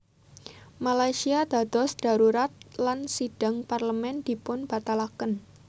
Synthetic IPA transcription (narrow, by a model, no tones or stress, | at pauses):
malajsiad̪̥a̤d̪̥ɔsd̥a̤ɾuɾat̪̚lansid̥a̤ŋparləmɛnd̪̥i̤pʊnb̥at̪alakən